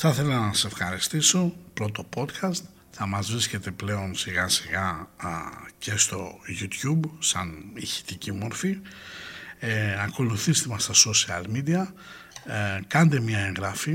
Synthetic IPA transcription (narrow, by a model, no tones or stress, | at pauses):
θɐθe̞lɐnɐse̞fxɐɾist̪iso̞pɾo̞t̪o̞po̞t̪kʰɐst̪ | θɐmɐzvɾisce̞t̪e̞ple̞o̞nsiɣɐsiɣɐ | ce̞st̪o̞̰ʝut̪jubsɐniçi̥t̪icimo̞ɾfi | ɐko̞luθist̪emɐst̪ɐsosiɐlmid̪iɐ | kɐnd̪e̞mɲɐe̞ŋɣɾɐfi